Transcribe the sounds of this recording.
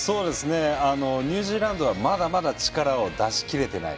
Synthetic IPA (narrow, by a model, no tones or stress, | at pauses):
so̞ːd̪e̞sɨne̞ano̞ɲ̟ɯ̟ːʑiːɾãnd̪o̞βamad̪amad̪at͡ɕi̥kaɾao̞d̪aɕi̥kʲiɾe̞t̪e̞na̰ḭ